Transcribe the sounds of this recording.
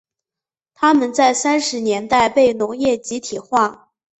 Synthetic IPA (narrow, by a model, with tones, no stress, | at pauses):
t̪ʰa˥mə˨nt͡sa˥˩ɪsa˥nʂɻ̩˧˥njɛ˧˥nt̪a˥˧ɪpe˥˩ɪnʊ˧˥ŋjɛ˥˩t͡ɕi˧˥t̪ʰi˨˩xwa˥˩